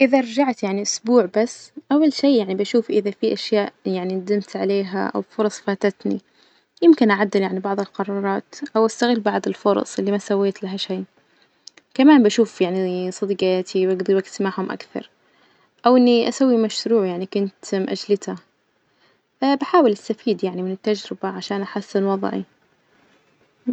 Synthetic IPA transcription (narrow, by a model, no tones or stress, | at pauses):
ʔɪðaʔɾˤɑd͡ʒaʕt̪jaʕniʔʊsbuːʕbasːʔawːalʃeːjaʕnibaʃuːfʔɪðafiʔaʃjaːʔjaʕninad̪ɪmt̪ʕaleːɦa̰ʔa̰wfʊɾˤɑsˤfaːt̪at̪nḭ | jɪmkɪnʔaʕad̪ːɪljaʕnibɑʕðˤɪlqɑɾˤɑːɾˤɑːt̪ʔawʔast̪aɣɪlːbɑʕd̪ˤɪlfʊɾˤɑ̰sˤʔɪlːimasawːeːt̪laɦaʃaː | kamaːnbaʃuːfjaʕnisˤɑd̪iːqaaːt̪ʰiwʔaɡd̪ɑɾwaksmaʕhʊmʔa̰kθɑ̰ɾˤ | ʔawʔɪnːiʔasawːimaʃɾuːʕjaʕnikʊnt̪mʔa̰d͡ʒlɪt̪a | baħaːwɪlʔast̪afiːd̪jaʕnimɪnɪt̪ːad͡ʒɾɪbaʕaʃaːnʔaħasːɪnwɑðˤʕḭ